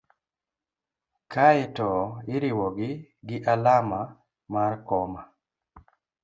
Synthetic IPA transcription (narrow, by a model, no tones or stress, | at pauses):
kaɪtɔɪɾiwɔɡɪɡɪʔalama | markɔma